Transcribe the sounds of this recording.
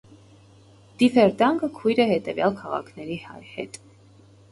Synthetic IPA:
d̪̥ifɛɾd̪ɑŋɡəkʰujɾɛhɛt̪ɛvjɑlkʰɑʁɑ̰kʰnɛɾihɑ̰jhɛ̰t̪

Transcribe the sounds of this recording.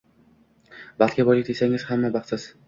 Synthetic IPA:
bat̪̚kʲabɒlɪk̚ʲd̪esaŋɪz̥hamːabɑχɪz̥

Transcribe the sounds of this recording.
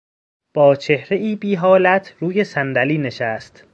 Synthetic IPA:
b̥ɒːt͡ʃʰe̞hɾe̞ʔiːbiːɦɒːlæt̪ʰɾuːje̞sænd̪æliːne̞ʃæst̪

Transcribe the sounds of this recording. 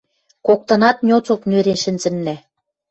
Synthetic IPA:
kok̚t̪ɤ̆nɑt̪nʲot͡soknøɾenʃɘ̆nzɘ̆nlæ

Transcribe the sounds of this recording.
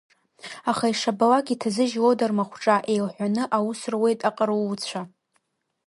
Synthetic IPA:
aχaiʂabawakʲʼitʰazɨʒlodarmaχʷʈ͡ʂʼaʔe̞jlħʷᶣanɨʔawusrwe̞jtʼaqʼaruːt͡sʷʰa

